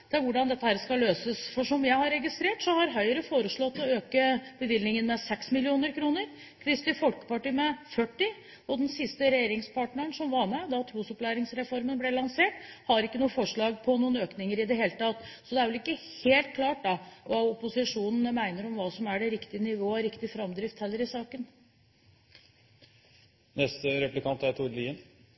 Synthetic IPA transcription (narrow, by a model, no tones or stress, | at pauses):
d̪ɛɛʋʊɖɑnd̪ɛt̪ːəhæːɾskɑløːsəsfɔʂɔmjæɪhɑɾːɛɡɪst̪ɾeːʈsɔhɑɾɦœʏəɾəfoːɾəʂɭɔt̪ːɔøːkəb̥əʋɪlnɪŋənmɛsɛksmɪlɪuːnəɾkʰɾuːnəɾ | kʰɾɪst̪ɪfɔlkə̥pɑʈiːmɛfœʈːɪ | ɔd̪ɛnsɪst̪əɾɛjeːɾɪŋspʰɑːʈɳəəɳʂɔmʋɑɾmɛd̪ɑt̪ʰɾuːsɔplæɪɾɪŋsɾɛfɔɾmənblɛlɑnseːʈhɑɾɪkːənuːfɔʂɭɑːɡpʰɔnuːənøːknɪŋəɾɪd̪ɛɦeːlət̪ʰɑt̪ːsɔd̪ɛæʋɛlɪkːəheːlt̪̚kʰlɑːʈ̚d̪ɑʋɑʊpʊsɪʂuːnn̩əmæɪnəɾɔmʋɑːsɔmæɖɛɾɪkt̪ɪənɪʋoːəɾɪkt̪ɪfɾɑmd̪ɾɪft̪hɛlːəɾɪsɑːkən | nɛst̪əɾɛplɪkʰɑnt̪æɾt̪ʰuɾliːən